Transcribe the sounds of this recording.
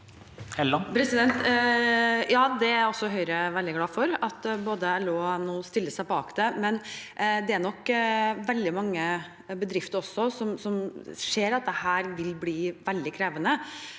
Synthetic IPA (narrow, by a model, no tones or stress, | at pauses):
hɛpʰɾɛsɪd̪ɛnt̪ | jɑːd̪ɛæɔsːɔɦœʏɾəʋɛld̪ɪɡlɑːfɔɾɑt̪boːd̪əɛloːnːuːst̪ɪlːəsæɪpɔɑkt̪əmɛnd̪ɛæɳɔkːʋɛld̪ɪmɑŋːə | bəd̪ɾɪft̪əɾɔsːɔsɔmsɔmʂeːɾɑt̪̚d̪ɛhæːɾʋɪlbliːʋɛld̪ɪkʰɾeːʋənə